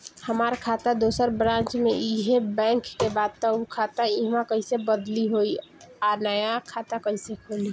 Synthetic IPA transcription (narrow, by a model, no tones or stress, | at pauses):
həmaɾkʰat̪əd̪osəɾbɾãnt͡ʃmeiɦebɛ̃ŋkːebad̪̚t̪ɔukʰat̪aiɦmãkəɪsebəd̪liɦoianəjakʰat̪akəɪsekʰoli